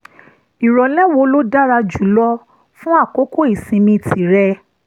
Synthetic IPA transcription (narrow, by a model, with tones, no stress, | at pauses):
i˨ɾɔ˨lɛ˦wo˧lo˦da˦ɾa˧d͡ʒu˨˦lɔ˦ | fũ˦a˦˨ko˨˦ko˦˨i˨sĩ˧mĩ˧˨tʰi˨˦ɾɛ˧